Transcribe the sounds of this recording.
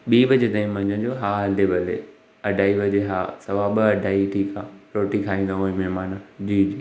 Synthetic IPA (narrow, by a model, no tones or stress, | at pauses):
ɓiːʋɐd͡ʑed̪ɐ̃ĩmɐ̃ɲə̃d͡ʑoɦaːəlebɐlɦḛː | ɐɖʱaːiʋɐd͡ʑeɦaːsɐʋaːɓəɐɖʱaːiʈʰiːkãɾoːʈikʰaːĩːnd̪aɦũĩmɛɦmaːnad͡ʑiːd͡ʑiː